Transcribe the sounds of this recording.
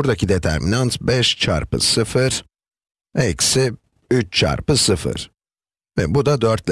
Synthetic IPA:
uɾd̪acʰid̪et̪ʰæ̰ɾminant̪bɛʃt͡ʃʰa̰ɾpɯ̰sɯfɯɾ̥ | ɛcsɪ | yt͡ʃt͡ʃʰa̰ɾpɯsɯfɯ̰ɾ̥ | vɛbud̪ad̪øɾt̪lʲ

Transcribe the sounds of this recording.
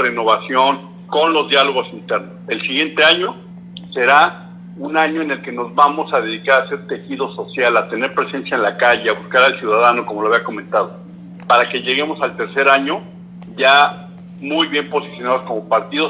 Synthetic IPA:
reno̞βasjo̞ŋ | ko̞nlo̞zðjalo̞ɣ̞o̞sint̪e̞ɾno̞se̞lsiɣje̞nt̪e̞aɲo̞ | se̞ɾa | unaɲo̞ene̞lke̞no̞zβamo̞saðe̞ðikaɾase̞ɾt̪e̞xið̞o̞so̞sjalat̪e̞ne̞ɾpɾe̞se̞nsjaenlakaʝeaβuskaɾalsjuðaðano̞komoloaβiako̞mẽ̞nt̪að̞o̞ | paɾake̞ʝe̞ɣemo̞salt̪e̞ɾse̞ɾaɲo̞ | ʝa | mujβje̞mpo̞si̥sjo̞naðo̞sko̞mo̞paɾt̪iðo̞

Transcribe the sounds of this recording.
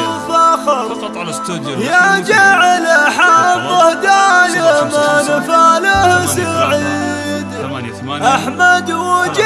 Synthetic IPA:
faxɑɾˤ | jad͡ʒaʕɪlaħabɪhd̪aːjamanfaːlahsaʕi | d̪ | ʔaħmad̪wad͡ʒ

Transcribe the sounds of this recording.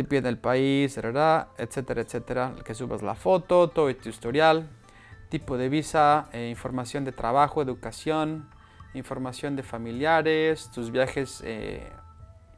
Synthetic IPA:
d̪epjeðelpaiseɾeɾaḛt̪set̪eɾʔaet̪set̪eɾakesuβa̰zla̰fo̞t̪o̞t̪oet̪uist̪oɾjal | t̪ipoðeβisaeiɱfo̞ɾmasjo̞nd̪e̞t̪ɾaβaxoeðukasjon | iɱfo̞ɾmasjo̞nd̪efamiljaɾest̪uzβjaxesḛ

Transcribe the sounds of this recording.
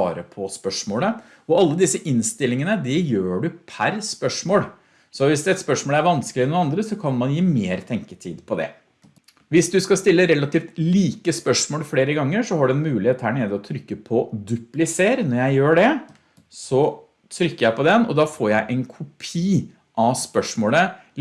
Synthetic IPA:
ɑ̰ːɾəpʰɔspœʂmoːlə | ɔɑlːəd̪ɪsːəʔɪnst̪ɪlːɪŋənəd̪ɪjøːɖʉpʰæɾspœʂmoːl | sɔʋɪsd̪ɛɛt̪spœʂmoːlæɾʋɑnskəlɪɛnʊnɑnd̪ɾəsɔkʰɑnmɑnjiːmeːɾt̪ʰɛŋkət̪ʰiːd̪pʰɔd̪ɛ̰ | ʋɪsd̪ʉskɑst̪ɪlːəɾɛlɑt̪iːft̪liːkəspœʂmoːlfleːɾəɡɑŋːəʂɔhɑɖʉɛnmʉːlɪheːt̪hæːɳeːd̪əɔt̪ʰɾʏkːəpʰɔd̪ʉplɪseːɾnɔɾjæɪjøːɖɛ | sɔ | t̪ʰɾʏkːəjæɪpɔd̪ɛnɔ̰d̪ɑːfoːɾjæɪʔɛnkʰʊpʰiː | ʔɑspœʂmoːlə

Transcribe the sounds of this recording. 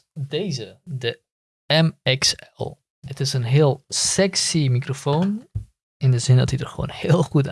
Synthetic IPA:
deːzədə | ɛmɛksɛlˠ | ətɪsənɦɪːlˠsɛksimikrofown | ɪndəzɪndɔtydərχʋo̰wnhɪːəlˠχut

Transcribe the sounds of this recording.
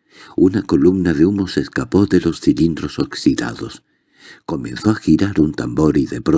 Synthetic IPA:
unako̞lumnaðeumoseskapo̞ðelo̞sθilind̪ɾo̞soksiða̰ðos | ko̞mẽnθoaxiɾaɾunt̪ambo̞ɾiðepɾo

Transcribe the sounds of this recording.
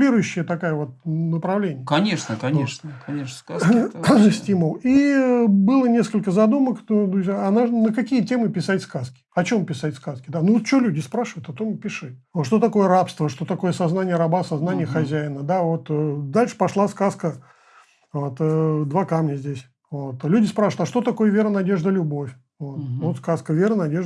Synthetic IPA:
lʲiɾʊjʉɕːɪjət̪ɐkajəvo̞t̪̚nəpɾɐvlʲenʲɪjəkɐnʲeʂnəkɐeʂnəkɐe | sʲtʲiməlˠibɨlˠənʲe̞skəlʲkəzɐd̪umək̪d̪ɾʊzʲjaːnaʐnəkɐkʲijətʲe̞mɨpʲɪsatʲskaskʲɪ̥ɐt͡ɕo̞mpʲɪsatʲskaskʲɪd̪anuvot̪̚t͡ɕɪolʲudʲɪspɾaʂɨvəjʊt̪ɐt̪o̞mpʲɪʂɨt̚ʲʂt̪o̞t̪ɐko̞jəɾapst̪vəʂt̪o̞t̪ɐko̞jəsɐznanʲɪjəɾɐbasɐznanʲɪjəxɐzʲæjɪnəd̪avo̞t̪ːd̪alʲʂɨ̥pɐʂlˠaskaskə | vo̞t̪əd̪vakamnʲəzʲdʲesʲ | vo̞t̪lʲudʲɪspɾaʂɨvət̪aʂt̪o̞t̪ɐko̞jəvʲeɾənɐdʲe̞ʐd̪əlʲʊbo̞fʲ | vot̪ot̪skaskəvʲeɾənɐdʲeʐ

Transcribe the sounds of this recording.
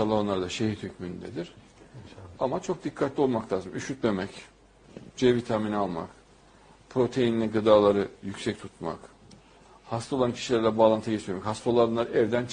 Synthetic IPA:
salˠoɦanlˠaɾd̪aʃehiɾhycmynd̪ed̪iɾ̥ | amat͡ʃʰo̞k̚d̪ikʰːat̪lʲio̞lˠmaklʲˠaːzɯmyʃyt̪me̞mɛc | d͡ʒevit̪ʰaminialˠma̰k | pʰɾo̞t̪ʰejinilʲiɡɯd̪aːlˠaɾɯjycʲsɛc̚t̪ʰut̪ma̰k | hast̪ʰao̞lˠancʰi̥ʃilʲæɾlʲɛbaːlˠant̪ʰɯɟet͡ʃ̪ʰiɾmɛchast̪olˠanˠaɾɛvd̪ænt͡ʃ

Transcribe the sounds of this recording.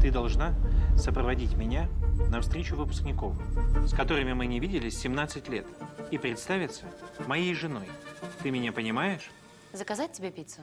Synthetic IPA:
t̪ɨd̪ɐlˠʐnasəpɾəvɐdʲitʲmʲɪnʲanɐfst̪ɾʲet͡ɕʊvɨpʊ̥sknʲɪko̞vskɐt̪o̞ɾɨmʲɪmɨnʲɪvʲidʲɪlʲɪsʲɪmnat̪sɨtʲlʲe̞t̪ipɾʲɪt̪st̪avʲɪt̪səmɐjejʐɨno̞jt̪ɨmʲɪnʲapənʲɪmajɪʂ | zəkɐzat̚ʲtʲːɪbʲepʲit̪sə

